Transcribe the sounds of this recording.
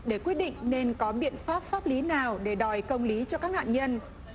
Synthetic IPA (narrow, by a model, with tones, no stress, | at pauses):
ɗe˧˩kwət̚ɗḭ̈˧˨ŋ̟ne˧nkɔ˨˦ɓḭ˧˨ənfaː˦˥p̚faː˦˥p̚li˨˦naː˨˩wɗe˧˩ɗɔ˨˩jkə˧wŋ͡mli˨˦t͡ɕɔ˧kaː˦˥k̚na̰ː˧˨nɲə˧n